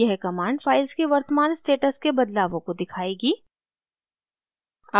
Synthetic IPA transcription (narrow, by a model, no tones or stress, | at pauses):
ɛɦɛkɐmaːɳɖfaːɪlzkeʋɐɾt̪əmaːnsʈeːʈəskebɐd̪laːʋõkod̪ɪkʰaːeːɡiː | a